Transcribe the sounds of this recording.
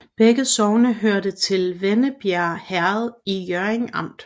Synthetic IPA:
b̥eɡ̥əsɒʊnəɦøɐdət͡sʰe̝lʋenəb̥jæɐ̰hæɐð̞ˠijœɐeŋɑ̈m̰d̥

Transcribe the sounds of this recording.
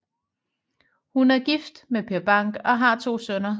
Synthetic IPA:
hunæɐɡ̥ifd̥mepʰe̝ɐb̥ɑ̈ŋ̰ɡ̥ɒ̽ɦɑ̈t͡sʰo̝̰ːsœnɐ

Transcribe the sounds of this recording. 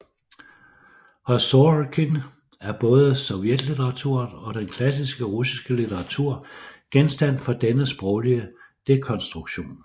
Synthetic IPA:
hɒsokʰin | æɐb̥ɔ̽ːð̞̩ˠəsɒ̽ʊjed̥lit͡sʰeʁɑ̈t͡sʰuɐ̰nɒ̽d̥enkʰlæsisɡ̥əʁusisɡ̥əlit͡sʰeʁɑ̈t͡sʰuɐ̰ɡ̥ensd̥æn̰fɒ̽d̥enəsb̥ʁɒʊliəd̥e̝kʰɒ̽nsd̥ʁuɡ̥ɕo̝̰ːn

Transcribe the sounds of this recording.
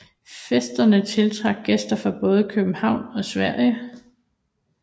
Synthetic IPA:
fesd̥ɐnət͡sʰe̝lt͡sʰʁɑ̈ɡ̥̚ɡ̥esd̥ɐfʁɑ̈b̥ɔ̽ːð̞ˠəkʰøb̥m̩hɑ̈ʊ̰nɒ̽sʋæɐ̰jə

